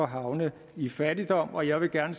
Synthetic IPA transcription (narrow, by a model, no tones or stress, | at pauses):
ɒ̽ɦɑ̈ʊnə | ifædid̥ɒ̽m̰ɒ̽jɑ̈ɪʋe̝ɡ̥æɐnəs